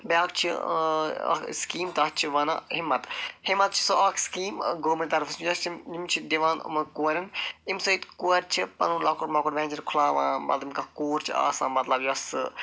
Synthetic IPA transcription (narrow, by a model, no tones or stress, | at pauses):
baːkt͡ʃʰi | ɐ̰skiːmt̪ɐt͡ʃʰiʋɐnɐhimːɐt̪himɐt̪̚t͡ʃʰi̥soʔakʰskiːmɡoːmiɾʲt̪ɐɾfɐsmjɐst͡ʃʰimimt͡ʃʰid̪iʋaːnṵmɐkuːɐɾɐnimsoit̪kuɐɾt͡ʃʰipɐ̰nuːlaːkuʈmɐkuʈʋɛ̃ːnt͡ʃɐɾkʰʊlaːʋã̰ːmɐ̰t̪lmkɐkoːɾt͡ʃʰia̰ːsãːmɐt̪lɐbjɐsɨ